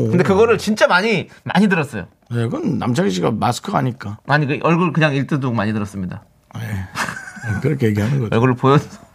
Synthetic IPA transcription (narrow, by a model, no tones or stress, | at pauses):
kɯndekɯɡʌɾɯɭt͡ɕint͡ɕ͈amaɲima̰ɲidɯɾʌs͈ʌjo̰ | neɡɯnːa̰mt͡ɕʰaɡiɕ̬ʰiɡamasʰɯ̥kʰɯɡaɲik͈aaɲikʔʌɭɡɯɭkɯɲaŋiɭt͈ɯdoɡmaɲidɯɾʌs͈ɯmɲida | e | kɯɾʌkʰeje̞ɡiɦanɯnɡʌʌɭɡɯɾɭpojʌd͡ʑoso